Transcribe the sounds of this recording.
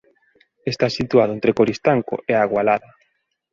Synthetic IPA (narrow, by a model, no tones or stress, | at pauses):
est̪asit̪uaðʊent̪ɾekoɾist̪aŋko̰ʔeaɣwalaðɐ